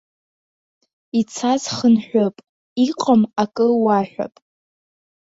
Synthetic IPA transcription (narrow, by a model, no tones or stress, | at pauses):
it͡sʰazχənħʷᶣopʼ | iqʼamakʼɨwaħʷᶣa̰pʼ